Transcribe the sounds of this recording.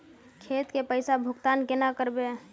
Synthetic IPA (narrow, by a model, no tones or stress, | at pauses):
kʰet̪kepəɪsabʱʊkt̪ankenakəɾbe